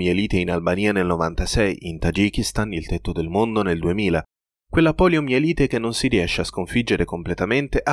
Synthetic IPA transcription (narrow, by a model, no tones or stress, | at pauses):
ieliːt̪einalbaniːanelnovant̪asɛjint̪ad͡ʒikist̪anilt̪ɛt̪ːod̪elmond̪oneld̪uemiːla | kwelːapɔːljomjeliːt̪ek̟enːonsiriɛʃːeaskoɱfid͡ʒːeɾekomplet̪ament̪eʔa